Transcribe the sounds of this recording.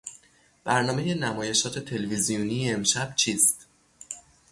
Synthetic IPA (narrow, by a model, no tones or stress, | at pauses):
b̥æɾnɒːme̞je̞næmɒːje̞ʃɒːt̪ʰe̞t̪ʰe̞levizijuniːemʃæb̥t͡ʃʰiːst̪